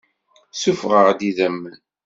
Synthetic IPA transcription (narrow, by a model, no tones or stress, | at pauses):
sufʁəʁd̪iðəmːn